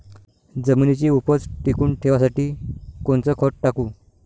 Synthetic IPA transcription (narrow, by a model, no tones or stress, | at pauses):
d͡zəminit͡ɕiːupət͡sʈikuːɳʈʰeʋasaʈiːkoɳt͡səːkʰɔʈ̚ʈakuː